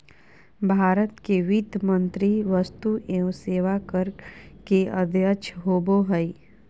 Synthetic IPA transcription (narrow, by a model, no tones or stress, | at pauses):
bʱaːɾət̪keʋid̪ʱjəmə̃nt̪ɾiʋəst̪uʔeõseːʋakəɾkeɐd̪ʱjəʃʰɦoːboɦəi